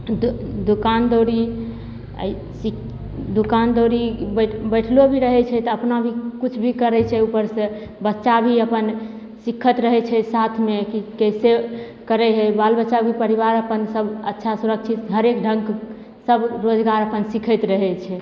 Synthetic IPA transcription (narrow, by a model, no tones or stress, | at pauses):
d̪d̪ukand̪oɾi | ə̰i | si | d̪ukand̪oɾibbəjʈʰlobʱiɾəɦɛt͡ʃʰɛt̪ɔəpnabʱikut͡ʃʰbʱikəɾɛt͡ʃʰɛupəɾsə̃ | bətːʃabʱiəpən | sikʰːət̪ɾəɦɛt͡ʃʰɛsat̪ʰmekikɛjse | kəɾɛɦəbalbətːt͡ʃabʱipəɾiβaɾəpənsəbətːʃʰasuɾək̚t͡ʃʰit̪ɦəɾekɖʱə̃ŋɡ | səbɾod͡ʒɡaɾəpənsikʰət̪ɾəɦɛt͡ʃʰɛ